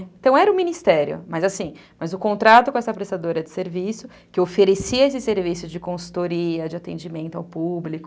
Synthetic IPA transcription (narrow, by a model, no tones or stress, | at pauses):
ẽnt̪ɐ̃w̃ɛɾɐʊminist̪ɛɾjʊ̰mɐzasĩmɐzʊkõnt̪ɾat̪ʊkõɛsɐpɾest̪ad̪oɾɐd͡ʒɪseɾvisʊ | kɪofeɾesiɐesɪseɾvisʊd͡ʒɪkõsu̥t̪oɾiɐd͡ʒɪat̪ḛ̃d͡ʒimẽnt̪ʊawpublikʊ